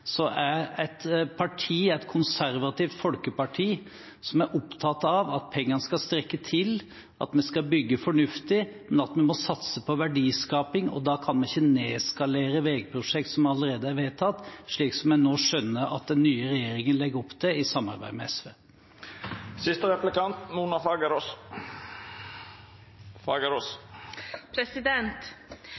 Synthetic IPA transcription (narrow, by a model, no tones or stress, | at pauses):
sɔʔæɾɛt̪pʰɑʈʰiːæɪt̪kʰʊnsæɾʋɑt̪ɪʋt̪fɔlkəpɑʈʰiː | sɔmæɾʔɔpt̪ʰɑt̪ːɑʋɑt̪̚pʰɛŋːɑnəskɑst̪ɾɛkːət̪ʰɪl | ʔɑ̰t̪mɛskɑlbʏɡːəfɔɳʉft̪ɪmɛnɑt̪mɛmɔsɑt̪səpʰɔʋæɖiːskɑːpɪŋɔ̰d̪ɑːkʰɑnmɛnɪçːəneːɛskɑleːɾəʋeːɡ̚pʰɾʊʂɛkt̪sɔmɑləɾeːd̪əæɾʋeːt̪ʰɑt̪ːʂɭiːksɔmjæɪnoːʂœnːəʔɑ̰t̪̚d̪ɛnːyːəɾɛjeːɾɪŋənlɛɡəɔpːd̪ʰɛɪsɑmːɑ̰ɾbæ̰ɪmɛɛsʋḛː | sɪst̪əɾɛplɪkɑnt̪muːnɑfɑɡɾ | fɑɡəɾos | pʰɾɛsɪd̪ɛnt̪